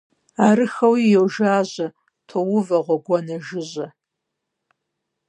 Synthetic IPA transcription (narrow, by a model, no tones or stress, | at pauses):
aːrɨxɐwijɛwʒaːʑɐ | tʰowʊvɐʁʷɔɡʷɔnɐʒɪʑɐ